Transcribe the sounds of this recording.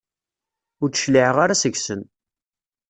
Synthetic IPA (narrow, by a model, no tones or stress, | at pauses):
ʊɾt͡sə̥ʃliʕəʁaɾasəʝsən